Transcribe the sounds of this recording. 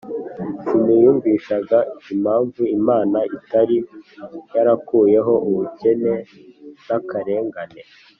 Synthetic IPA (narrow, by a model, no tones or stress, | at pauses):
simijuːɱviʃaɡaim̥haːɱvuimaːnaʔitaɾijaɾakuːje̞ɦo̞ʔuβuce̞ne̞nakaɾe̞ːŋɡane̞